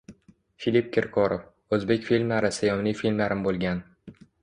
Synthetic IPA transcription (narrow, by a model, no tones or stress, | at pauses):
filip̚kʲʰɪɾkʰɒɾof | ɵzbe̞kʲfilʲmlaɾɪsajɒmnijfilʲmlaɾɪmbolˠɡʲan